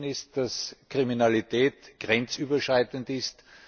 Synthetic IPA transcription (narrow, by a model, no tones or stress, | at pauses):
nɪst̚d̥askʁiminalitʰɛːtɡ̥ʁɛnt͡syːbɐʃʁaɪtəntɪst